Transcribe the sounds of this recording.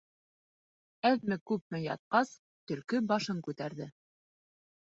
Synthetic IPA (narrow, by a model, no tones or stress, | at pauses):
æðmɘkʉp̚mɘjɑ̰t̪̚qɑs | t̪ɵ̆ɾkɵbɑʃɤŋkʉt̪æɾðɘ